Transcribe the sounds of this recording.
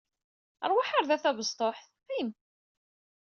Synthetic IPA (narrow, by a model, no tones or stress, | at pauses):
ə̰ɾˤwaħaɾðæθæβəzˤt̪ˤoħθ | æjəm